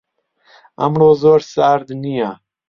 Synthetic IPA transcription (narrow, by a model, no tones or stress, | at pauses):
a̰mɾoːzoːɾsaːɾd̪nija